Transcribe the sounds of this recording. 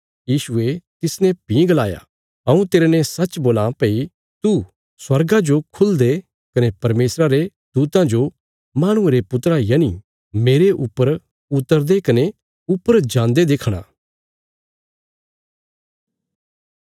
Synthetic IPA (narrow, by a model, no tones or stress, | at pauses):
jiːʃuet̪ɪsnɛ̃pĩɡɐlaːja̰ | ɐ̃ũt̪eːɾenɛ̃sɐt͡ʃboːlãpei | t̪u | swɐɾɡãd͡ʒokʰʊld̪e | kɐnepɐɾmeːsɾaɾe | d̪̥uːt̪ãd͡ʒo | maːɽ̃ʊ̃eɾepʊt̪ɾajɐni | meːɾeʔʊpːəɾ | ʊt̪ːəɾd̪ekɐne | ʊpːəɾd͡ʒãːnd̪ed̪eːkʰɽ̃a̰ː